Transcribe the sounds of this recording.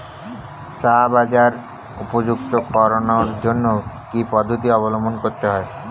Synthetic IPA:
t͡ɕabad͡ʑaɾ | upod͡ʑuk̚t̪okɔɾonoɾd͡ʑonːokipɔd̪ʱːot̪̬iɔβolomonkoɾt̪eɦɔe

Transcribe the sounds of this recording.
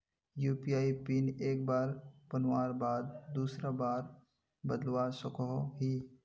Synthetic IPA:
juːpiaːipiːneːk̚baːɾpɐnwaːɾbaːd̪̚d̪uːsɾabaːɾ | bəd̪lwasʊkʰoɦi

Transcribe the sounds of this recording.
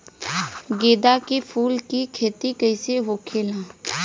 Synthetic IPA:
ɡeːd̪akipʰuːlkikʰeːt̪ikəɪseɦokʰeːlãː

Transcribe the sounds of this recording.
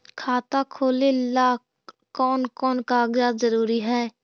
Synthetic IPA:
kʰaːt̪akʰoːlelaː | kɔːnkɔːnkaːɡjazəɾuːɾiɦɛː

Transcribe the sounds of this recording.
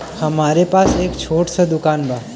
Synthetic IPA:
hɐmaːɾepaːseːkt͡ʃʰoːʈsəd̪ʊkaːnbʱaː

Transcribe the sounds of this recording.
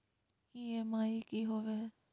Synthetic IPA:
iemaːikiɦoːʋe

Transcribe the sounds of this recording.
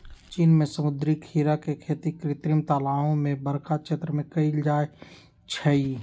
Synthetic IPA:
t͡ʃiːnmẽsəmʊd̪ɾikʰiːɾakekʰeːt̪ikɾɪt̪ɾimt̪aːlaːõmẽbəɾkʰat͡ʃʰet̪ɾəmẽkəid͡ʒaːe | t͡ʃʰəi

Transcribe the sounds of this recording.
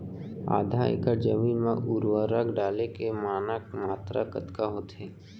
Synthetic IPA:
a̰ːd̪ʱaɪ̰kəɾd͡ʒəmiːnmẽʔuɾʋəɾəkɖaːlekemaːnəkmaːt̪ɾa̰kət̪kaɦoːt̪ɦɛː

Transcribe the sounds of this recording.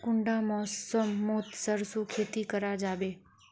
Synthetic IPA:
kʊɳɖamɔːsəmːoːt̪səɾsukʰeːt̪ikəɾad͡ʒaːʋeː

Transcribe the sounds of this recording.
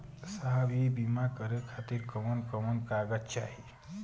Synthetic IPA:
saɦbibimakəɾekʰat̪iɾkəmənkəmənkaɡət̪t͡ʃaɦi

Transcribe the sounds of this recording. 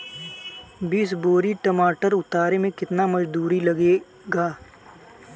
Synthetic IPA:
biːsboːɾiʈɐmaːʈəɾʊt̪aːɾemẽkɪt̪namɐd͡ʒd̪uːɾilɐɡe | ɡaː

